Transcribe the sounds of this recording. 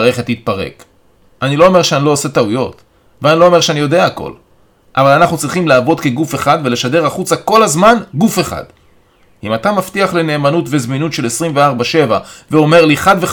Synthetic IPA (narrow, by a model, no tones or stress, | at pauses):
ʁe̞χethit̪̚paʁḛk | anilo̞ome̞ʃeanilo̞ose̞taujo̞t | veanilo̞ome̞ʁʃeanijo̞de̞aːko̞̰l | ʔavalanaχnut͡sʁiχimlaːvo̞d̪ke̞ɡufe̞χadve̞le̞ʃade̞ʁaχut͡sako̞lazmanɡufe̞χa̰d̥ | imatamaftiaχle̞ne̞ːmanutvezminutʃe̞lesʁimveaʁbaʃe̞vaveo̞me̞ʁliχadve